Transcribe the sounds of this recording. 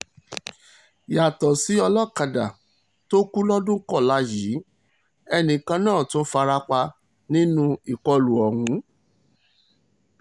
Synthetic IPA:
ja˨tɔ˨si˨˦ɔ˧lɔ˦˨ka˧˨da˨ | to˦ku˦lɔ˦dũ˦kɔ˦˨la˨˧˦jiː˨˦ | ɛ˧nĩ˨kã˧nãː˦˨to˦fa˧ɾa˧k͡pa˧ | nĩ˦nũ˦i˨kɔ˧lu˨ɔ˨hũ˨˦

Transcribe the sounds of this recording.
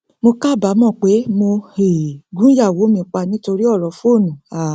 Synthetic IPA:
mo˧ka˦˨ba˨˦mɔ̃˦˨k͡pe˨˦mo˧e˨ɡũ˦ja˦˨wo˨˦mĩ˧˦k͡pa˧nĩ˦to˧ɾi˦ɔ˦˨ɾɔ˨˦fo˦˨nũ˨a˨

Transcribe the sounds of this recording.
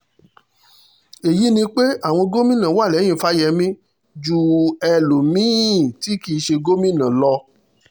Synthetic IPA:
e˨ji˨˦nĩ˧k͡pe˦a˦˨w̃ɔ̃˧ɡo˦mĩ˦nã˨˦wa˦˨lɛ˨˦j̃ĩ˦˨fa˦jɛ˧˦mĩ˦ | d͡ʒu˦ɛ˧lu˨mĩ˦˨ti˦ki˧˨˧ʃe˧ɡo˦mĩ˦˨nã˨lɔ˧

